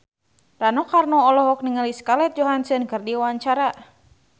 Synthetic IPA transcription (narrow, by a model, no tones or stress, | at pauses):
ranɔkarnɔɔlɔɦɔk̚niŋaliskalɛt̪̚d͡ʒɔɦansənkɨrdiwaɲt͡ʃaɾa